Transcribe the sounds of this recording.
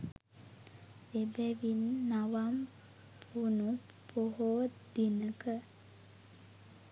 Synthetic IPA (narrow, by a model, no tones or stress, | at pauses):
ebæʋinːaʋam | pʰunu | poɦoːd̪inəkə